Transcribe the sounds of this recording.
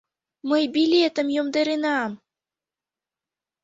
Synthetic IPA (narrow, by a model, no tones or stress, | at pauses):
məjbilʲet̪ə̆mjomd̪eɾinɑm